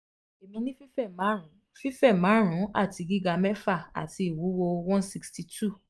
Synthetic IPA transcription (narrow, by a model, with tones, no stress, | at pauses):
e˨mĩ˧nĩ˦fi˦fɛ˦˨mã˨˦ũ˨˦ | fi˦fɛ˦˨mã˨˦ɾ̃ũ˨˦a̰˦˨ti˨˧ɡi˦ɡa˧mɛ˦fa˦˨a̰˨ti˧i˨wu˨˦wo˧wɔ̃˦si˧ksti˧tʰu˦˨